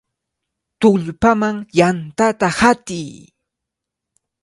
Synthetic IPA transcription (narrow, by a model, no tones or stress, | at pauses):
t̪ʊʎpamaŋjant̪at̪ahat̪ɪj